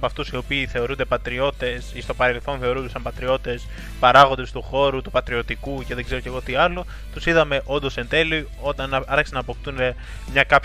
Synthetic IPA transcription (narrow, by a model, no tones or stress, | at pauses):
pɐft̪usio̞piːθe̞o̞ɾund̪e̞pɐt̪ɾio̞t̪e̞sist̪opɐɾe̞lθo̞nθe̞o̞ɾund̪esɐmpɐt̪ɾio̞t̪e̞s | pɐɾɐɣo̞nd̪est̪uxo̞ɾut̪upɐt̪ɾio̞t̪ikuce̞ðe̞ɡze̞ɾo̞ce̞ɣot̪iɐlo̞ | t̪usiðɐme̞ʔo̞nd̪o̞se̞nt̪e̞li | o̞t̪ɐnɐɾçe̥senɐːpo̞kt̪une | mɲɐkɐp